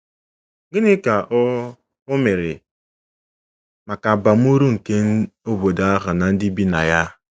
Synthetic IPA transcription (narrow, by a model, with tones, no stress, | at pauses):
ɡɪ˦nɪ˦ka˨ʔ | ʊ˦me˨ɾɪ̰˨ | ma˨ka˨ba˨m̩˦u˦ɾu˦ŋ̩˨ke˦n̩˦o˦bo˨da˨˦a˦ɦʊ˨na˨n̩˦dɪ˦bi˦na̰˨ja˦